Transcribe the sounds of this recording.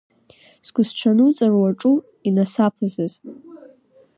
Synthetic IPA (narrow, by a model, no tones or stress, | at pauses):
sɡʷʊsʈ͡ʂʷʰanut͡sʼarwaʈ͡ʂʼu | inasapʰɨzaz